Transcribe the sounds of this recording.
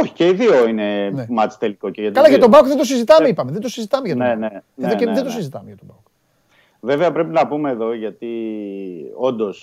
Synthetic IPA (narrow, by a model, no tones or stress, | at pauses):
oçi̥ceiðioineemɐt̪i̥st̪eliko̞ceʝɐt̪kɐlɐʝɐt̪obɐwkðet̪osizit̪ɐeipɐmeðed̪osizit̪ɐmeʝɐt̪neneeðoeðed̪osizit̪ɐmeʝɐt̪obɐwk | ve̞veɐpɾe̞pinɐpume̞ːðo̞ʝɐt̪i | o̞nd̪o̞s